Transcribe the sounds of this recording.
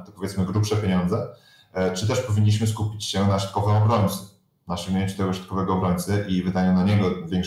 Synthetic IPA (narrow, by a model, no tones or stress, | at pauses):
t̪ɔpɔvjɛt̪smɘɡɾupʂɛpʲjeɲɔnd̪zɛ | t͡ʂɘt̪ɛʂpɔvʲiɲːiɕ̬mɘskupʲit͡ɕɕɛnaʃɔ̥t̪kɔvɛ̃ɔbɾɔɲt̪sɛ̥ | naʂɛmʲeɲt͡ʂɨt̪ɛɡɔʃɔt̪kɔvɛɡɔɔbɾɔɲʲt̪sɛʔivɘd̪aɲanaɲɛɡɔvʲjɛŋk